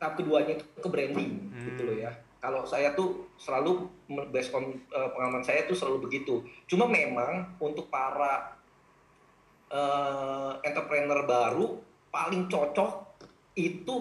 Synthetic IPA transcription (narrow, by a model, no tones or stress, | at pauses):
t̪apiduaɲait̪kəbɾɛndɪŋɡit̪ulɔjakalosajat̪usəlaluməbɛsɔnəːpəŋalamansajat̪usəlalubəɡit̪ut͡ʃumamemaŋunt̪ʊk̚paɾa | ʔə | ɛnt̪ərpɾɛnərbaɾu | palɪŋt͡ʃɔt͡ʃɔh | it̪u